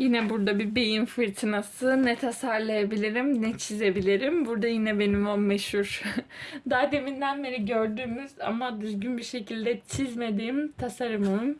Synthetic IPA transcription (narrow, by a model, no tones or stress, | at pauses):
jinɛbuɾd̪abibe̞jinfɯɾt̪ʰɯnasɯnɛt̪ʰasaɾlˠajabilʲiɾimnɛt͡ʃʰize̞bilʲiɾimbuɾd̪ajinɛbe̞nimommɛʃhuɾ̥ | d̪aːd̪e̞mind̪ænbeɾiɟøɾd̪yːmyza̰mad̪yzɟynbiɾʃe̞cʰilʲd̪ɛt͡ʃʰizme̞d̪iːmt̪ʰasaɾɯmɯm